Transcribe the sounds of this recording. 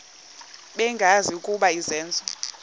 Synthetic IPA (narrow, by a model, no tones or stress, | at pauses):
ɓɛŋɡʱaziukʼuɓaizɛːnd͡zʱɔ